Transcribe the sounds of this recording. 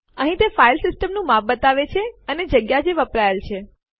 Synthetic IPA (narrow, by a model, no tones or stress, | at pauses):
əɦĩt̪efailsɪsʈəmnũmafbət̪aʋet͡ʃʰeəned͡ʒəɡjad͡ʒeʋəpɾajəlt͡ʃʰe